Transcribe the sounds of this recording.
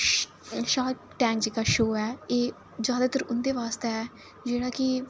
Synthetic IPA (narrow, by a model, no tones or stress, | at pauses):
ʃaːʈʈɛ̃ːŋkd͡ʒɪkaːʃoːɛːeː | d͡ʒjaːd̪aːt̪əɾʊnd̪eːʋaːst̪eɛː | d͡ʒeːɽaːkɪ